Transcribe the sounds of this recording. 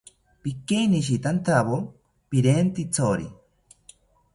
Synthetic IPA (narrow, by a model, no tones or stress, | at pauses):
pikejniʃ̬it̪ant̪ʰaβo | piɾent̪it͡sʰoɾḭ